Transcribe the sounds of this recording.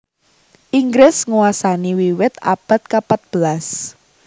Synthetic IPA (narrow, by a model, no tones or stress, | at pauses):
ʔiŋɡɾɪsŋuwasaniwiwɪt̪a̰b̥a̤t̪̚kapat̪̚b̥əlas